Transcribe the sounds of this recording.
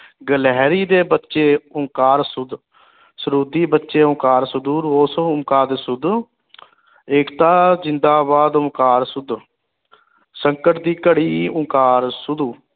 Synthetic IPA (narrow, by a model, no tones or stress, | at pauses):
ɡəlɛːɾiːd̪eːbətːʃeːʊŋkaːɾsʊd̪ | səɾuːd̪iːbətːʃeːʊ̃ŋkaːɾsʊd̪uːɾoːsʊmkaːd̪sʊd̪ | ɪːkt̪aːzɪnd̪aːbaːd̪ʊmkaːɾsʊd̪ | səŋkəʈd̪iːkəɽiːʊ̃ŋkaːɾsʊd̪uː